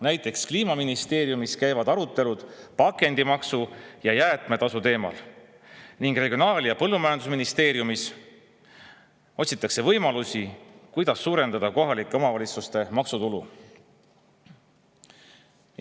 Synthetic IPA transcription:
næjt̪ːˑe̞kskliːmɑminist̪e̞ːɾijumiskæjvɑd̪̥ɑɾut̪ːe̞lud̪̥pɑkːe̞nd̪̥imɑksujɑjæːt̪ˑme̞t̪ɑsut̪e̞ːmɑ̰l | niŋɡre̞ɡʲio̞nɑːljɑpɤlːumɑjɑnd̪usminist̪e̞ːɾjumis | o̞t̪ʲsit̪ːˑɑkse̞vɤjmɑlusʲikujd̪̥ɑsːuːɾe̞nd̪ɑd̪̥ɑko̞ɦɑlikːˑe̞o̞mɑvɑlʲit̪sust̪e̞mɑksut̪ulṵ

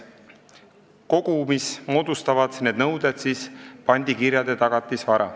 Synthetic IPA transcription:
ko̞ɡ̥umismo̞ːd̪̥ust̪ɑvɑd̪ne̞d̪nɤwd̪ed̪̥siːspɑnʲd̪ikiɾjɑd̪e̞t̪ɑɡ̥ɑt̪ːˑisvɑɾɑ̰

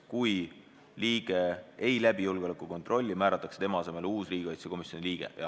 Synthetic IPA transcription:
kuj | liːɡ̥e̞ʔe̞jlæb̥ijulɡ̥eolekːˑuko̞nt̪ˑro̞lʲːimæːɾɑt̪ːˑɑkse̞t̪e̞mɑɑse̞me̞luːsriːɡ̥eɑjt̪seko̞misjo̞niliːɡ̥e̞̰jɑ̰

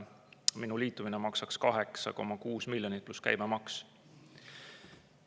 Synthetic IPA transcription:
minuliːt̪ːˑuminɛmɑksɑkskɑɦe̞ksɑ̰ko̞̰mɑkuːsmilʲjo̞nipluskæ̰jmemɑks

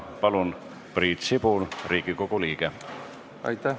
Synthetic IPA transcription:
pɑlun | priːt̪sibulriːɡ̥iko̞ɡ̥uliːɡ̥e | ɑ̰jt̪æ

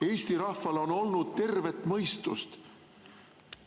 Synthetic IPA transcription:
e̞ːst̪iɾɑhvɑlo̞no̞lnud̪̥̚t̪e̞rve̞t̪ːˑmɤ̞jst̪ṵst̪

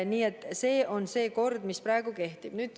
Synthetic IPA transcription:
niːet̪ːˑse̞ːʔo̞nse̞ːko̞rd̪misprɑe̞ɡ̥uke̞ht̪ib̥nyːd̪̥

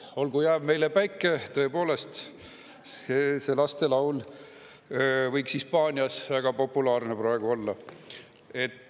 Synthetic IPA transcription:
o̞lɡujæːb̥̚me̞jle̞pæjkːˑet̪ɤ̞e̞po̞ːle̞st̪ | eselɑst̪e̞lɑwl | vɤjksispɑːnʲiɑsvæɡ̥ɑpo̞pːˑulɑːrne̞pɾɑeɡ̥uo̞lːɑ | e̞t̪ː

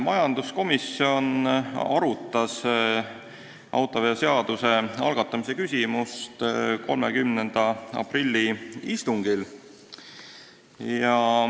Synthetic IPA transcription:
mɑjɑnd̪̥usko̞misio̞nɑ̰ɾut̪ˑːɑs | ʔɑ̰wt̪ˑoveɑse̞ɑd̪̥use̞ɑ̰lɡ̥ɑt̪ːˑɑmise̞kysʲimust̪ko̞lme̞kymnend̪̥ɑɑ̰prilʲːiist̪uŋɡ̥il | jɑ

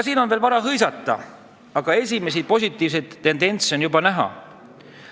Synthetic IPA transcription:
siːno̞nveːlvɑɾɑɦɤjsɑt̪ːˑɑ̰ | ɑɡ̥ɑe̞sʲime̞s̬ipo̞sʲit̪ːˑiːvsejt̪ːe̞nd̪e̞nt̪so̞njubɑnæɦɑ̰

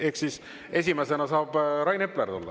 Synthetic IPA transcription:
e̞hksis | e̞s̬ʲimese̞nɑsɑːb̥ɾɑjne̞pˑlert̪ulːɑ̰

